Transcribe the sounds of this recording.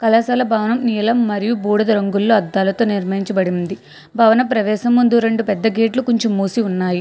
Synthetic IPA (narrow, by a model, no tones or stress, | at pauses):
kɐlɐːsɐːlɐbʱɐːʋɐnɐmniːlɐmːɐɾijubuːɽɐd̪ɐɾɐŋɡulːoːɐd̪ːaːlɐt̪o̞ːniɾmɐjiɲt͡ʃɐbɐɽind̪i | bʱɐːʋɐnɐpɾɐʋɛːʃɐmːund̪uɾe̞ɳɖupɛd̪ːɐɡʱeːʈlukoɲt͡ʃimːuːsiunːaːji